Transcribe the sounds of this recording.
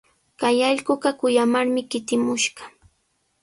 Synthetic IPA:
kajɑʎɢʊɢɑkʊjamaɾmɪkɪt̪ɪmʊʃɢɑ̥

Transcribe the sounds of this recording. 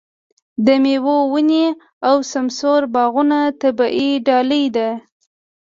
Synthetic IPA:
d̪əmewowəne | awsamsoɾbɑɣunat̪abaʔiɖɑləjd̪a

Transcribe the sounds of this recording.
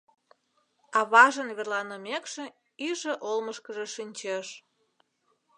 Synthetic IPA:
ɑβɑʒənβerlɑnəmekʃĕ | iʒĕʔolməʃkəʒeʃinʲt͡ɕeʃ

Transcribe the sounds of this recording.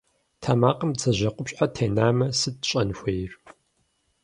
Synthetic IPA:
tʰaːmaːqəmt͡sʰɐʑɐqʷʊpɕʼħatʰeːnaːmɐsɨd̚ɕʼɐnxʷejr

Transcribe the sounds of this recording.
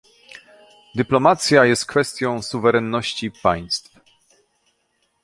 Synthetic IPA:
d̪ɘplɔmat̪sʲjajɛst̪̚kfɛst̪ʲjɔ̃w̃suvɛɾɛnːɔɕt͡ɕipa̰j̃st̪f

